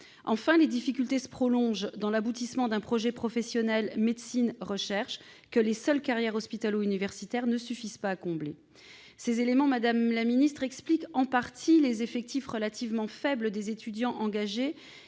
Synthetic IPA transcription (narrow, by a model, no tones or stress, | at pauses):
ɑ̃fɛ̃led̪ifikʲylt̪esə̥pχɔlɔ̃ʒd̪ɑ̃labut̪ismɑ̃d̪ɛ̃pχɔʒɛpχɔfɛsjɔnɛlmed̪sinʁəʃɛʁʃ | kəlesœlkaʁjɛʁɔspit̪aloynivɛʁsit̪ɛʁnəsyfizpaːkɔ̃ble | sezelemɑ̃mad̪amlaminist̪χɛksplikɑ̃paʁt̪ʰilezefɛk̚t̪ifʁəlat̪ʰivmɑ̃fɛbləd̪ezet̪ʰyd̪jɑ̃ʔɑ̃ɡaʒe